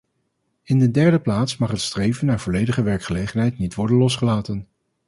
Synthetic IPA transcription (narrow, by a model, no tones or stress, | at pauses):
ɪndədɛɹdəplaːtsmɑχɦətstrejvənːaːɹv̥ɔlejdəχəʋɛɹkχəlejχənɦɛjtnitʋɔɹdənlɔsχəlaːtən